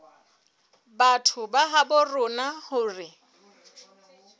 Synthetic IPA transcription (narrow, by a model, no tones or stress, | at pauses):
batʰʊbaɦabʊrʊnahʊːrɪ